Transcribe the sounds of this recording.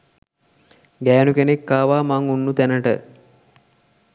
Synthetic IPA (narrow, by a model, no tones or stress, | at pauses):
ɡæːnukenekːaːʋaːmaŋunːut̪ænəʈə̰